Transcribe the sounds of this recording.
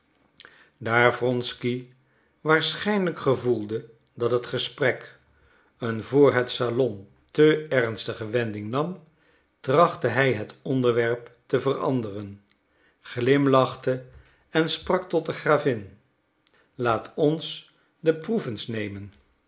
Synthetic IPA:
daːɹvrɔnski | ʋaːɹsχɛjnləkχəvulˠdə | dɑtɦətχəsprɛk | ənvʊːɹɦətsalɔn | təɛrnstəχəʋɛndɪŋnɑm | trɑχtəɦɛjɦətɔndəɹʋɛɹptəvərɑ̰ndərən | χlɪmlɑχtə | ɛnsprɑk̚tɔt̚dəχraːvɪn | laːtʰɔns | dəpruvənsnejmən

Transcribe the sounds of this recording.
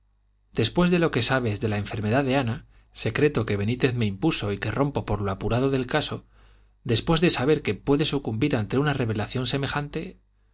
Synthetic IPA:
d̪̥e̞spwe̞zðe̞lo̞ke̞saβ̞e̞zðe̞laeɱfe̞ɾme̞ðaðe̞ana | se̞kɾe̞t̪o̞ke̞β̞e̞nit̪e̞θme̞impuso̞ike̞ro̞mpo̞po̞ɾloapuɾaðo̞ðe̞lkaso̞ | d̪e̞spwe̞zðe̞saβ̞e̞ɾkepwe̞ðe̞sukumbiɾant̪e̞unare̞β̞e̞laθjo̞nse̞me̞xant̪e̞

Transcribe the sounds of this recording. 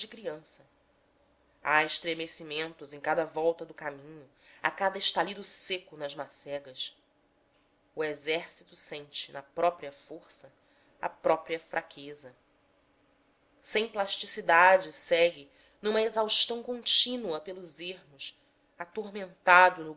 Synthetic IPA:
d͡ʒɪkɾiɐ̃sɐ | aeʃt̪ɾemesimẽnt̪ʊzẽj̃kad̪ɐvɔwt̪ɐd̪ʊkamĩɲʊ | a̰kad̪ɐɪʃt̪alid̪ʊsekʊnɐzmasɛɡɐs | uezɛɾsit̪ʊsẽnt͡ʃɪnɐpɾɔpɾiɐfoχsɐ | ɐ̰pɾɔpɾiɐfɾʔakʰezɐ | sẽj̃plaʃt͡ʃisid̪ad͡ʒɪsɛɡɪ | nũmɐezawʃt̪ɐ̃w̃kõnt͡ʃinuɐpelʊzeɦmʊs | at̪oɦmẽnt̪ad̪ʊnʊ

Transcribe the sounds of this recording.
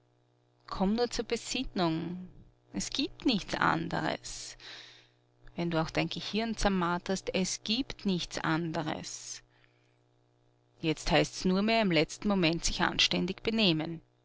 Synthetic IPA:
kʰɔmnuːɐt͡suːɐbəzɪnʊŋ | ʔɛsɡ̥iːp̚tnɪçt͡sʔa̰ndə̰ʁə̰s | vɛnduːaʊxd̥aɪnɡ̥əhɪɐnt͡saɐmaːthastɛsɡ̥iːptnɪçt͡sʔa̰ndəʁə̰s | jɛt͡sthaɪstsnuːɐmeːɐɪmlɛt͡stn̩momɛntsɪçʔa̰nʃtɛndɪçb̥əneːmən

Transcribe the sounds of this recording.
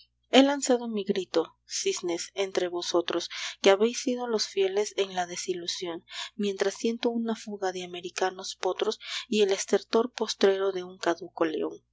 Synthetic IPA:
e̞lansaðo̞miɣɾit̪o̞ | sisnese̞nt̪ɾe̞βo̞so̞t̪ɾo̞skeaβe̞jsːið̞o̞lo̞sfje̞le̞se̞ŋlaðe̞silusjo̞nmje̞nt̪ɾasːje̞nt̪ounafuɣaðeame̞ɾikano̞spo̞t̪ɾo̞sie̞le̞st̪e̞ɾt̪o̞ɾpo̞st̪ɾe̞ɾo̞ðe̞uŋkaðuko̞lḛo̞̰ŋ

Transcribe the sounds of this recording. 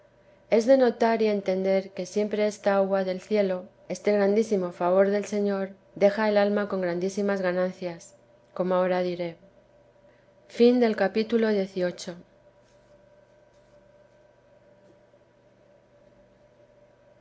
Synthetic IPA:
e̞zðe̞no̞t̪aɾie̞nt̪e̞nd̪e̞ɾke̞sje̞mpɾe̞est̪aaɣwaðe̞lθje̞lo̞ | e̞st̪e̞ɣɾand̪isimo̞faβ̞o̞ɾðe̞lse̞ɲo̞ɾ | d̪e̞xae̞lalmako̞ŋɡɾand̪isimazɣanãnθjas | ko̞moao̞ɾaðiɾe̞ | find̪e̞lkapit̪ulo̞ðje̞θio̞t͡ʃo̞

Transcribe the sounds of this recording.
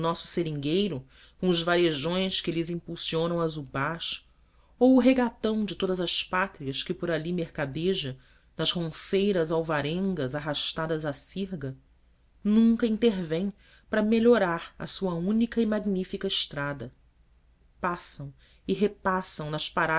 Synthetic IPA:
nɔsʊ̥seɾĩŋɡejɾʊ | kõʊzvaɾeʒõj̃skɪlɪzĩpuwsiõnɐ̃w̃ɐzubaʃ | owʊɦeɡat̪ɐ̃w̃d͡ʒɪt̪od̪ɐzɐʃpat̪ɾiɐskɪpʊɾalimeɾkad̪eʒɐ | nɐzhõsejɾɐzawvaɾẽŋɡɐzaɦaʃt̪ad̪ɐzasiɾɡɐ | nũŋkɐĩnt̪eɾvẽj̃ | pɾɐmeʎoɾaɾɐ̰suɐũnikɐimaɡnifikɐɪʃt̪ɾad̪ɐ | pasɐ̃w̃ | ɪɦepasɐ̃w̃nɐʃpaɾa

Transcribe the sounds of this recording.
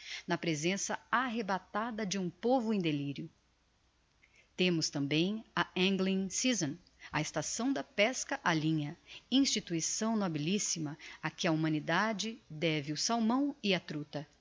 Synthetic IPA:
nɐpɾezẽsɐaɦebat̪ad̪ɐd͡ʒɪũpovʊẽj̃d̪eliɾjʊ | t̪ẽmʊst̪ɐ̃mbẽj̃ɐẽŋɡlĩŋsizɐ̃n | ɐest̪asɐ̃w̃d̪ɐpɛskɐʔalĩɲɐĩst͡ʃit̪uisɐ̃w̃nɔbilisimɐakɪɐumɐ̃nid̪ad͡ʒɪd̪ɛvɪʊsawmɐ̃w̃ɪɐt̪ɾut̪ɐ

